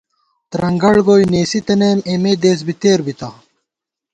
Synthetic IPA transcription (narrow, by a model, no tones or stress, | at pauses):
t̪ɾɐŋɡɐɽɡoːjneːsit̪ɐneːmeːmeːd̪eːs̬bit̪eːɾbit̪ɐ